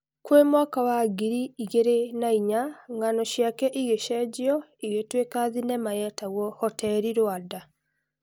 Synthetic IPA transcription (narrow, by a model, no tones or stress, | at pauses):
kwemwakawaɡiɾiiɣeɾenaiɲaŋanɔʃjakɛʔiɣeʃɛd͡ʒiɔiɣetwekaðinɛmaɣɛtaɣɔhɔtɛɾiɾwada